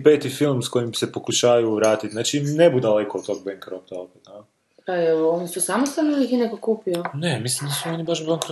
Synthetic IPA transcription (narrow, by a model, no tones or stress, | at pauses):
peːt̪ifilˠmsko̞jimse̞pokuʃaːajuʋɾaːt̪it̪znaːt͡ʃinebud̪ale̞kot̪t̪ːo̞ːɡ̚beŋkɾop̚t̪aopat̪a | paeoonisusamost̪alniuljekinekokuːpionemislimd̪asuonibaʃbaŋkɾo